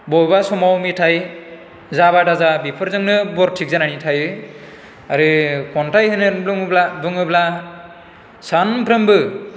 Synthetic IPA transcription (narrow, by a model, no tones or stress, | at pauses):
bɔbasɔmawmitʰaj | zaβadazabipʰɯɾzɯŋnɯbɔɾtʰik̚zananitʰajɯ | aɾɯkɔntʰajɦɯnɯblɯŋblabɯŋɯbla | sanpʰɾɯmbɯ